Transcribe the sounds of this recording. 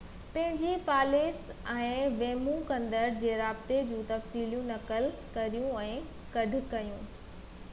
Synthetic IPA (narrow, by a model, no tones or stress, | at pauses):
pɐ̃ɦɪ̃ɲd͡ʑipaːleːsɛ̃ːʋeːmũkɐ̃nd̪əɾd͡ʑeːɾaːbt̪ed͡ʑũːt̪ɐfsiːlijũnɐkəl | kɐɾijũɛ̃ː | kɐɖʱʊkɐjũː